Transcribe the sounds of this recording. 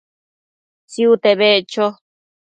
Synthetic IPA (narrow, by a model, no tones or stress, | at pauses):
t͡siut̪eβet͡ʃo